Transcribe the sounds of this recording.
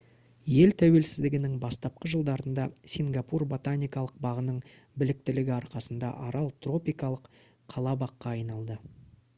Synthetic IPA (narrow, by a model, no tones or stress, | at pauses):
je̞lt̪ʰæwe̞lsɪzd̪ɪɡʲɪnɪŋbɑst̪ɑp̚qəʒəlˠd̪ɑɾənd̪ɑsʲiŋɡapurbo̞t̪anʲijkɑlˠəq̚bɑʁənəɴ | bɪlɪk̚t̪ɪlɪɡʲɪɑɾqɑsənd̪ɑ̰ʔɑɾɑlˠt̪ro̞pijkɑlˠəqʰː | ɑlˠɑbɑqːɑːjnɑlˠd̪ə